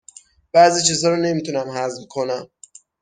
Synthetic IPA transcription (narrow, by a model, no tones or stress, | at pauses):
b̥æziːt͡ʃʰiːzhɒːɾɔne̞miːt̪ʰunæmɦæzmkʰo̞næm